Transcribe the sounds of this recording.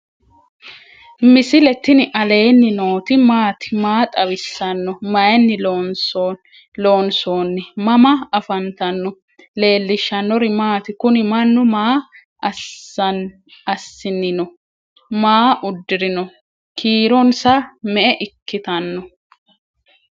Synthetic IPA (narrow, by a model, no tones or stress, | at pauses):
mɪsɪlɛt̪ːɪnɪʔɐle̞ːnːɪno̞ːt̪ɪmaːt̪ɪ̥maːt̪ʼɐwɪsːɐnːɔmɐjɛnːɪlons | loːnsoːnːɛmɐmɐɐfɐnt̪ɐnːɔ | le̞ːlːɪʃːɐnːɔɾɪmaːt̪ɪkʊnɪmɐnːʊmaː | ɐ | ɐsːɪnːɪnɔ | maːʔʊd̪ːɪɾɪnɔ | kʰiːɾɔnsɐmɛʔɛʔɪkːɪt̪ɐnːɔ